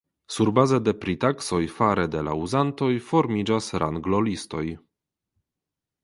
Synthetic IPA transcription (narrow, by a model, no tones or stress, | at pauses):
suɾbazed̪e̞pɾit̪akso̞jfaɾed̪e̞la̰uzant̪o̞jfo̞ɾmid͡ʒasɾʔa̰ŋɡlo̞listo̞j